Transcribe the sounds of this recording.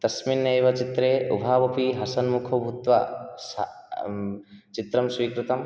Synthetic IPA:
t̪ɐsminːɐeːʋɐt͡ʃit̪ɾeːṵbʱaːbɐpiɦɐsɐnmukʰɐbʱut̪ʋɐs | t͡ʃit̪ɾɐmsʋiːkɾut̪ɐm

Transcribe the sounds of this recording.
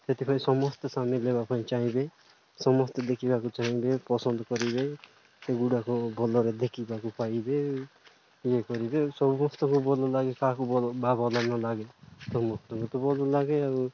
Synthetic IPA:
set̪ipʰɔ̃ĩsɔmɔst̪samilebapʰaĩt͡ʃaɦĩbe | sɔmɔst̪d̪ekʰibakut͡ʃaɦĩbepɔsənd̪kɔɾibe | seɡuɽakobɔlɔɾed̪ekʰibakupaibe | jekɔɾibesɔbumɔst̪ɔ̃ŋkubolɔlaɡekãːkubɔlbabɔlanɔlaɡesɔmɔst̪ɔ̃ŋkut̪ɔbolɔlaːɡeaɾu

